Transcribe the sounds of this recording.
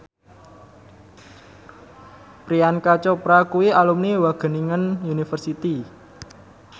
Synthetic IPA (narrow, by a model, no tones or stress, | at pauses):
pɾiankat͡ʃɔpɾakuwialumniwaɡ̥ə̤niŋənunifərsit̪i